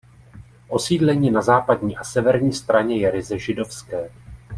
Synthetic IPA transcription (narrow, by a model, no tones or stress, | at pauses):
ʔo̞siːdlɛɲiːnazaːpadɲiːʔasɛvɛɾɲiːst̪ɾaɲɛjɛɾɪzɛʒɪdo̞fskɛː